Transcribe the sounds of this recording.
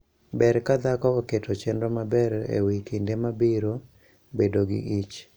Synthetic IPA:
bɛɾkad̪akɔketot͡ʃendɾɔmabɛɾḛwikindemabiɾo | bedoɡɪ̰ʔit͡ʃ

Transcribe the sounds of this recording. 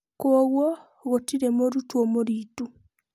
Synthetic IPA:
kooɣwɔ | ɣotiɾemoɾutwomoɾitu

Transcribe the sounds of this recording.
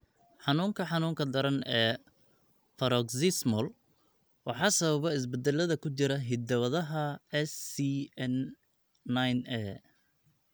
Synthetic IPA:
ħɑnuːŋkʰɐħɑnuːŋkʰɐd̪ɐɾɐnɛː | fɐɾɔɡsɪsmɔl | wɑħɑːsɐβɐβɛɪs̬bɛd̪ɛlɐðɐkʰʊt͡ʃɪɾɐɦɪd̪ɐwɐðɐɦɐɛsiɛnː | ajnɛː

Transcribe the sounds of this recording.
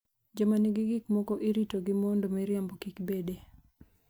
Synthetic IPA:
d͡ʒamanɪɡɪɡɪkmɔkɔʔiɾitoɡɪmɔndomeɾjambokikbede

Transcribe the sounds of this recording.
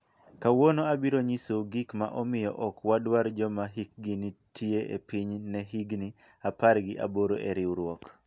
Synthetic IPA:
kawonoabiɾoɲisoɡikma̰ʔɔmɪjɔ̰ʔɔkwadwaɾd͡ʒɔmaɦik̚ɡinitʰieʔḛpiɲnɛɦiɡniaparɡɪʔa̰boɾoʔeɾɪwɾwɔk

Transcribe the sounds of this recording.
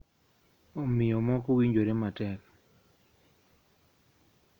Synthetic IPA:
ɔmɪjɔmɔkowiɲd͡ʒoɾematɛk

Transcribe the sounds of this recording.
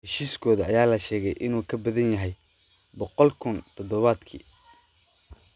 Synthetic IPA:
hɛʃiːskʰɔːðɐɐjaːlɐʃɛːɣɛjʔɪnuːkʰɐbɐðɐnjɐɦɛj | bɔqɔlkʰʊnt̪ʰɔd̪ɔβaːd̪kʰḭː

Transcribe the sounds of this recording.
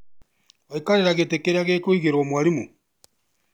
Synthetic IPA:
aikaɾeɾaɣetekeɾeaɣekoiɣeɾwamwaɾimu

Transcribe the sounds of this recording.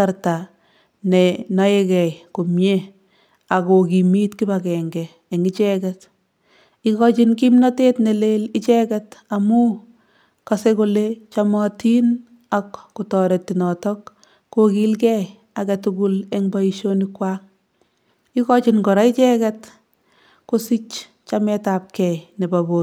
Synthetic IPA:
aɾta | nenɔjekɛjkomje | akokimitkibakɛŋɡɛː | ŋit͡ʃɛkɛt | ikɔt͡ʃink̬imnatetnelelɪt͡ʃɛkɛtamu | kasekolet͡ʃamɔtin | akːutɔɾetinɔtɔkː | okilkɛ | akɛtuɡulɛŋbaiʃonikwaŋ | ikɔt͡ʃinkɔɾait͡ʃɛkɛt | kosit͡ʃ | t͡ʃamɛtap̚kɛjnebabo

